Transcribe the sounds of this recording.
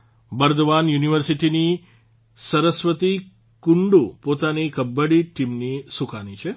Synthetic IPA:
bəɾd̪ʋanjuniʋəɾsiʈini | sɐɾəsʋət̪i | kuɳɖupot̪anikɐbːəɽiʈimnisukanit͡ʃʰe

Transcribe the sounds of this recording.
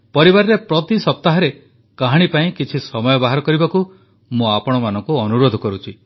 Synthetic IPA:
pɔɾibaɾɔɾepɾɔt̪isɔp̚t̪aɦɔɾe | kaɦaɽ̃ipaĩkit͡ʃʰisɔmɔjɔbaɦaɾɔkɔɾibaku | mũapɔɽ̃ɔmanɔ̃ŋkuɔnuɾod̪ʱɔkɔɾut͡ʃʰi

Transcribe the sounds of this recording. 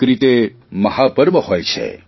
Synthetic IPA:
kɾit̪e | məɦapəɾməhojt͡ʃʰḛ

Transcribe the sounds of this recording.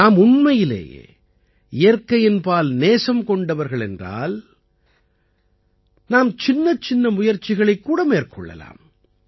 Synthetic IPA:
aːmʊɳmɐjɪlḛː | ɪjɐɾkɐjɪnpaːlneːsɐmkɔɳɖɐʋɐɾɣɐɭɛ̰ndra̰ːl | naːmt͡ʃɪnːɐt͡ʃɪnːɐmʊjɐɾt͡ʃːɪɣɐɭɐɪkːuːɽɐmeːrkʰɔ̰ɭːɐ̰la̰ːm

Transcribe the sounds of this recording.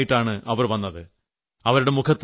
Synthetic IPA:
jiʈːaːɳɨʔɐʋɐrʋɐnːɐðɨ | ɐʋɐɾuɽe̞mukʰɐt̪ː

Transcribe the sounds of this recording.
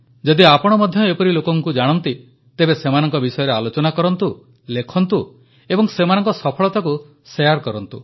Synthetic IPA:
d͡ʒɔd̪iapɔɽ̃ɔmɔd̪ʱjɔepɔɾilokɔŋkud͡ʒaɽ̃ɔnt̪i | t̪ebesemanɔŋkɔbisɔjɔɾealot͡ʃɔnakɔɾɔnt̪u | lekʰɔnt̪u | ebɔŋsemanɔŋkɔsɔpʰɔɭɔt̪aku | sejaɾkɔɾɔnt̪u

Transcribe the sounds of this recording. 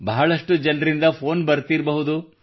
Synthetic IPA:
bɐɦɐɭɐʂʈud͡ʒɐnɾind̪ɐpʰoːnbɐɾt̪iɾbɐɦud̪u

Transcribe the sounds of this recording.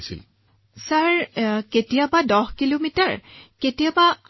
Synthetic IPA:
sḭl | saɹketijabadɔhkilomitaɹketijaba

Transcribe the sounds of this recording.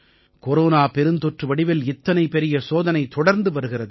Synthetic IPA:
kɔɾoːnaːpɛɾɯnt̪ɔʈrɯʋɐɽɪʋɪlɪt̪ːɐnɐɪpɛɾɪjɐsoːðɐnɐɪt̪ɔɽɐɾnd̪ɯʋɐɾɯɣɪrɐðɯ

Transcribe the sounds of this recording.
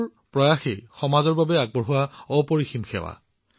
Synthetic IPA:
pɹɔjaxejxɔmazɔɹbabɛaɡ̚bɔɹɦʊwaɔpoɹiximxɛ̰wa̰

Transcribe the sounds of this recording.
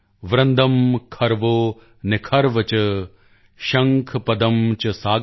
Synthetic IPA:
ʋɾɐ̃nd̪ʱɐmkʰɐɾʋoː | nekʰɐɾʋɐt͡ʃɐ | ʃɐŋkʰɐpɐd̪ɐmt͡ʃɐsaːɡ

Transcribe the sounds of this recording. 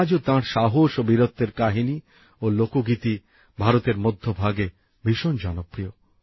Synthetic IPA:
d͡ʑot̪ãɾʃaɦoʃobiɾot̪ːeɾkaɦini | olokoɡit̪i | bʱaɾot̪eɾmod̪ʱːobʱaɡe | biʃond͡ʑɔnopɾio

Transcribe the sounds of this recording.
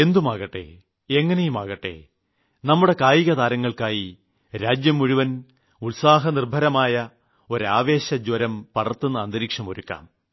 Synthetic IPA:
e̞nd̪umaːɣɐʈːe̞̰ | e̞ŋːɐnejumaːɣɐʈːe̞̰ | nɐmːuɽe̞kaːjiɣɐðaːɾɐŋːɐɭkaːji | ɾaːd͡ʑjɐmːuɻuʋɐn | ulsaːɦɐnirbʱɐɾɐmaːjɐ | o̞ɾaːʋe̞ːɕɐd͡ʑwɐɾɐmpɐɽɐrt̪ːunːɐːnd̪ɐɾiːkʂɐmo̰ɾukːa̰ːm

